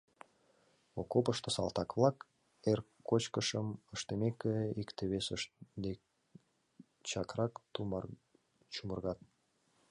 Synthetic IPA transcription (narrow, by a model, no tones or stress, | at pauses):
okopəʃt̪əsɑ̰lˠt̪ɑkβlɑk | erkːot͡ɕkəʃəməʃt̪emekeikt̪eβesəʃd̪ek | t͡ɕɑkrɑkt̪um | t͡ɕumərɣɑt̪̚